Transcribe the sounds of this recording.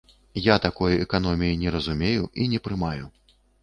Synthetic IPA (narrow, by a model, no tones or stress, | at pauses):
jat̪akɔjɛkan̪ɔmʲijinʲɛɾɐzumʲejuʔinʲɛpɾɨmaju